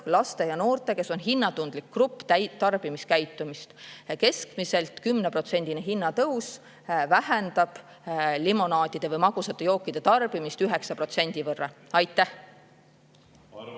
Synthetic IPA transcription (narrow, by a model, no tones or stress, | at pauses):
lɑst̪e̞jɑno̞ːrt̪ˑe̞ke̞so̞nɦinːɑt̪und̪likːrupːˑt̪æt̪ɑrb̥imiskæjt̪ːˑumist̪ke̞skmise̞lt̪ˑkymnepro̞t̪se̞nʲd̪̥ineɦinːɑt̪ɤws | væhend̪̥ɑb̥ | limo̞nɑːd̪id̪̥e̞vɤjmɑɡ̥usɑt̪ːˑe̞jo̞ːkˑːid̪̥e̞t̪ɑrb̥imist̪yɦe̞ksɑpro̞t̪se̞nʲd̪̥ivɤrːɑ̰ɑjt̪ːˑæh